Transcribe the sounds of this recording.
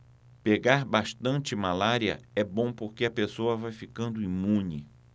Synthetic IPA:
peɡaɾbaʃt̪ɐ̃nt͡ʃɪmalaɾiɐ̰ɛbõw̃poɾkeɐpesowɐvajfikɐ̃nd̪ʊimũnɪ̰

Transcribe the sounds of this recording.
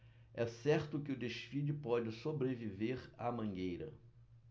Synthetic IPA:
ɛsɛɾt̪ʊkɪʊd̪eʃfid͡ʒɪpɔd͡ʒɪsobɾeviveɾa̰mɐ̃ŋɡejɾɐ̰

